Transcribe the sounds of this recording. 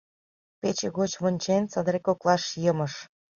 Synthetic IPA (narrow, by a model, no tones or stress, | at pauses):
pet͡ɕeɣot͡ɕβonʲt͡ɕent͡sɑd̪əɾekoklˠɑʃjəməʃ